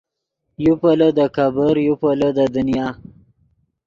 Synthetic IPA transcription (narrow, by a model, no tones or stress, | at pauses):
jupələd̪əkabəɾjupələd̪əd̪unijɑː